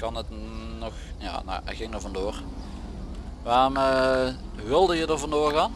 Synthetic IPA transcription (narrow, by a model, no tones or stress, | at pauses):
kɑnətnɔxja̰ːno̰ʔə̰ɣɪŋdəvɑndoːr | ʋaːrɔmə | ʋɪlˠdəjədərvɑndoːrɣaːn